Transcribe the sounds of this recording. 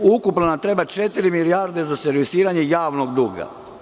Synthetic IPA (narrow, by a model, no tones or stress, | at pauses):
ukupnonat̪ɾe̞bat͡ʃe̞t̪iɾimiliaɾd̪e̞zaseɾʋisiːɾaɲejaːʋnoɡd̪uɡa̰